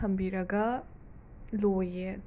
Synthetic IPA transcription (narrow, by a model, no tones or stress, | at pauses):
ɐmbiɾɐɡɐ | loje